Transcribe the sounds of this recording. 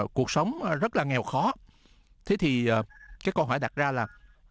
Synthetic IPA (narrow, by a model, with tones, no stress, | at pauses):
ku˨˩ək̚sə˨˦wŋ͡mzə˦˥t̚laː˨˩ŋɛ˨˩wxɔ˨˦ | t̪ʰe˨˦t̪ʰi˨˩əː˨˩kaː˨˦jkə˧nɦɔ̰˧˩jɗa˨˩t̚zaː˧laː˨˩